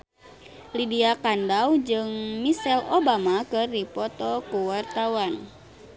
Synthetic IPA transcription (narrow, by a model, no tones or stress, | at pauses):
lidiakandawd͡ʒɨŋmisɛlobamakɨrdipɔt̪ɔkuwart̪awan